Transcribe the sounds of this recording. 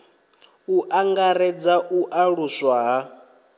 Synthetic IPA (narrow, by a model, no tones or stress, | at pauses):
uʔaŋɡaɾɛd͡zaʔuʔaɺuswaɦa